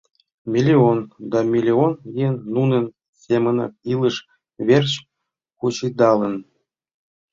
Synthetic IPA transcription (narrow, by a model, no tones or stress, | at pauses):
mʲilʲiond̪ɑmʲilʲionjenːunə̆n | sʲemənɑ̰kilˠəʂ | βʲerɕ | kut͡ɕid̪ɑlə̆n